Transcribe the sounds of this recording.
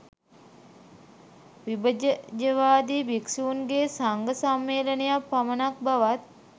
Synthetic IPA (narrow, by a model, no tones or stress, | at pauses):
ʋibəd͡ʒəd͡ʒəʋaːd̪iːbiksiunɡeːsaŋɡəsamːeːlənejapːamənak̚baʋat̪̚